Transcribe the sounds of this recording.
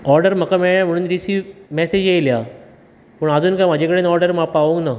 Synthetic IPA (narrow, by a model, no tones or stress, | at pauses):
ɔɾɖəɾm̤əkameɭjam̤əɽuːnɾisiːʋmɛsed͡ʑjejlja | pəɳad͡zuːnkam̤ad͡ʑʱẽkəɽeːnɔɾɖəɾmapaʋũŋɡna